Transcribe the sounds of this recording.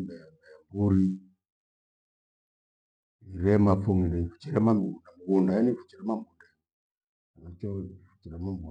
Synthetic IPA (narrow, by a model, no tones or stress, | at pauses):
bɛmbɛmbuɾi | iɾɛmafuŋindɛifu̥t͡ʃɛɾɛmamiundamiɣundaɛnifu̥t͡ʃɛɾɛmambunda | anat͡ʃɔifu̥t͡ʃiɾɛmambu